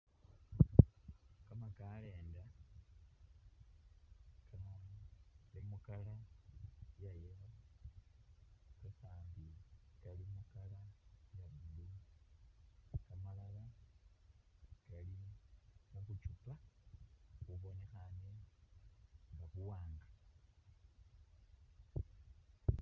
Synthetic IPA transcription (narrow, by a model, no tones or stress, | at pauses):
kamakale̞ːnda | kama | limukala | jajela | kasaːmbikalimukalajaβudu | kamalala | kali | muβut͡ʃupa | kuβo̞nexane | ŋɡaβuwaːŋɡa